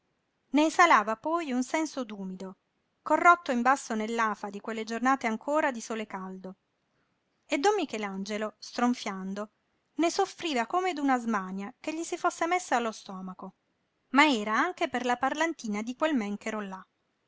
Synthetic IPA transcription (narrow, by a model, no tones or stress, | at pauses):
nesalaːvapɔjunsɛnsod̪uːmid̪o | korːot̪ːoimbasːonelːaːfad̪ikwelːed͡ʒornaːt̪eaŋkʰoːɾad̪isoːlekald̪o | ed̪ːomːikɛland͡ʒelost̪ɾoɱfjand̪o | nesofɾiːvakomed̪unazmaːnjakeʎːisifosːemesːaːlːost̪ɔːmako | maɛːɾaaŋkeperlaparlant̪iːnad̪ikwelmɛŋkeɾola